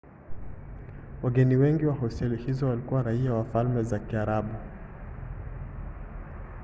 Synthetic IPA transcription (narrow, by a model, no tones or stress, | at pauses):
waɡɛniwɛŋɡiwaɦɔsɛlihizɔwalikuwaɾaiawafalmɛzakiaɾaɓu